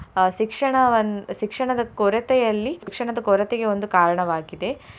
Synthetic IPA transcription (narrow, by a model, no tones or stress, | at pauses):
ʃikʂɐɳɐʋɐnʃikʂɐɳɐd̪ɐkoɾɐt̪ɛjɐlːikʂɐɳɐd̪ɐkoːɾɐt̪eɡe̞o̞nd̪ukaːɾɐɳɐʋaːɡid̪e̞